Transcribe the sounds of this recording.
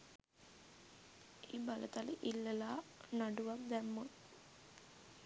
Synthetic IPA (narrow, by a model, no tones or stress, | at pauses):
eːbalət̪aləʔilːəlaːnaɖuʋak̚d̪æmːo